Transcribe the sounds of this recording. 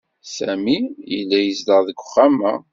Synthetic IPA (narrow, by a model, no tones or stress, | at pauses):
sæmijəlːæjəzləʁðəɡʷʊ̥χːæmæ